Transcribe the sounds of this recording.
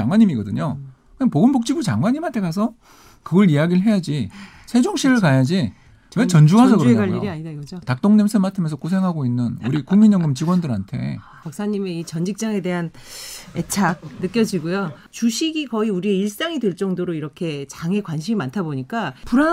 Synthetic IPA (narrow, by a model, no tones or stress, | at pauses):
aŋwaɲːimiɡʌdɯ̰ɲo | kɯnpoɡɯmbok̚t͡ɕ͈iɡut͡ɕa̰ŋwaɲimɦantʰe̞kasʰʌ | kɯɡʌɾijaɡiɾɭɦe̞jad͡ʑi | sʰe̞d͡ʑoŋɕʰiɾɯɭkajad͡ʑi | t͡ɕʌnd͡ʑuas̬ʰʌkɯaiɾiaɲidaɡʌotak̚t͈oŋnemsʰɯmatʰɯmjnsʰʌk͈osʰe̞ŋɦaɡoinːɯnṵɾikuŋmiɲʌŋɡɯmt͡ɕiɡwʌndɯɾantʰe̞̰ | pak̚s͈aɲimeit͡ɕʌnd͡ʑik̚t͡ɕ͈aŋe̞de̞ɦane̞t͡ɕʰak̚nɯk͈jʌd͡ʑiɡojo | t͡ɕuɕʰiɡikʌiuɾie̞iɭs͈aŋidweɭt͡ɕ͈ʌŋdoɾoiɾʌkʰe̞t͡ɕaŋe̞kwanɕʰimimantʰaboɲik͈apuɾa